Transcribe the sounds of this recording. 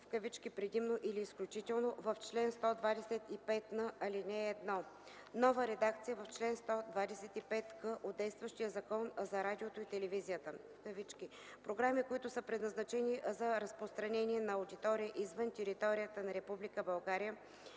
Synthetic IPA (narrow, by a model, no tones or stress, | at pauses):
fkəvit͡ʃkipɾɛd̪imnoʔiliːsklʲut͡ʃit̪ɛlˠnovɐft͡ʃlɛnst̪ɔd̪vad̪ɛsɛt̪ipɛt̪nəɐlinɛːd̪nɔ | nɔvəɾɛd̪ak̚t̪sijəvɐft͡ʃlɛnst̪ɔd̪vad̪ɛsɛt̪ipɛt̪kəʔod̪d̪ɛjst̪vəʃt̪ijəzɐkɔnzɐɾad̪ʲiot̪oit̪ɛlɛvizijət̪əfkəvit͡ʃki | pɾoɡɾamikoit̪ʊsəpɾɛd̪nɐznɐt͡ʃɛnizɐɾɐspɾost̪ɾɐnɛnʲiɛnɐʊd̪it̪ɔɾiəʔizvənt̪ɛɾit̪ɔɾijət̪ənɐɾɛpublikəbɐlˠɡaɾijə